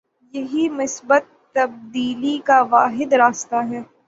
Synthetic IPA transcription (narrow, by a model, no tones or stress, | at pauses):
jɐɦimɪsbət̪ːɐb̚d̪iːlikaʋaːɦɪd̪ɾaːst̪aɦɛː